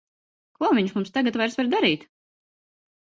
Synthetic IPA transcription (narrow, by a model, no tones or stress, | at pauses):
kuɔviɲʃmumst̪aɡat̪vajɾsvaɾd̪aɾiːt̪